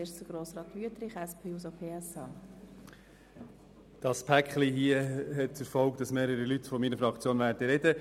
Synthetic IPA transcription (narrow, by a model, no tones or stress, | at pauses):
eʃt͡səɡ̥ɾoːsɾɑːt̪ʋyətɾɪχɛspʰeːus̬opʰeːɛsɑː | d̥ɑspʰækχliɦiəɦɛt̚ɛɾfɔlkd̥ɑsmeːɾəɾilyt̪fɔmiːnəfɾɑkt͡sjoːnvæːɾdəɾɛdə